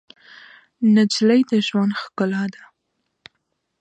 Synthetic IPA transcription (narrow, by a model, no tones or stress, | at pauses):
nad͡ʒlajd̪əʒwand̪xkʊlɑd̪a